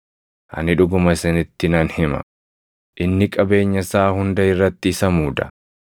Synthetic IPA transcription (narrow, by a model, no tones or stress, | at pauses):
ʔɐ̰nɪᶑʊɡʊmɐsɛnɪt̪ːɪnɐnhɪmɐ̰ | ʔɪnːɪkʼɐbe̞ːɲːɐsaːhʊnd̪ɐɪrːɐt̪ːɪːsɐmuːd̪ɐ̥̰